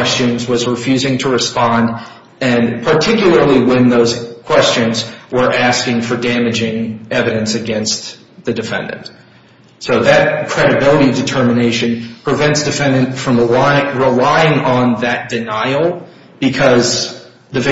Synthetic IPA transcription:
st͡ʃɨ̃nzwʌzɹɨfjʉzɪ̃ŋtʰəɹɨspɑ̃nd | ɨ̃npʰə˞tʰɪkjl̩ˠə˞lˠiwɨ̃nðoʊz̥kʰw̥ɛst͡ʃɨ̃nzwə˞ʔæskɪ̃ŋfə˞dæmɨd͡ʒɪ̃ŋɛvɨɾɨ̃nsɨɡɛ̃nst | ðɨdɨfɛ̰̃ndɨ̰̃nt | soʊðɨt̚kʰɹ̥ɛɾɨbɪlˠəɾidɨtʰɜ˞mɨneɪʃɨ̃npʰɹ̥ɨvɛ̃ntsd̥ɨfɛ̃ndɨ̃ntfɹʌ̃mɹəlɹɪlaɪɪ̃ŋə̃nðɨt̚d̥ɨnaɪl̩ˠ | b̥ɨkʰʌz | ðɨv

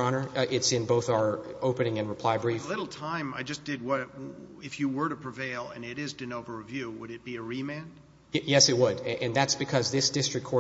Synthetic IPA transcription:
ɑnə˞ʔɪtsɨ̃nboʊθaə˞oʊpɨnɪ̃ŋɨ̃nɹɨpʰl̥aɪbɹiflɪɾl̩ˠtʰãɪ̃ma̰ɪd͡ʒʌsd̥ɨd̚wʌt̚ɪfjɨwə˞ɾɨpʰɹ̥ɨveɪlˠɨ̰̃nɪɾɪzdɨ̃noʊvə˞ɨvjʉwəɾɨt̚b̥iɨɹimæ̃n̥ | jɛsɨt̚wədʔɨ̃nðætsb̥ɨkʰʌzðɪsd̥ɪstɹ̥ɨkʰɔɹ

